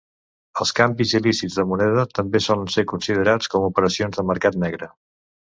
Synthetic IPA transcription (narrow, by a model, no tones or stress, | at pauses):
əlˠskambizilisid͡zðəmunɛðət̪əmbesɔlənsekunsið̞əɾat͡skɔmupəɾəsionzðəməɾkat̪nɛɣɾə